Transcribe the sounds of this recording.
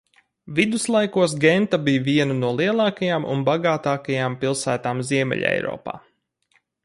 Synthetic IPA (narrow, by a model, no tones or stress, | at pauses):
vid̪uslˠajkuɔs̬ɡɛnt̪abijviɛnunuɔlˠiɛlˠɑːkajaːmʔṵnbaɡaːt̪aːkajaːmpilˠsæːt̪aːmziɛmʲɛ̰ʎ̰ʲɛ̰jɾɔ̰ːpa̰ː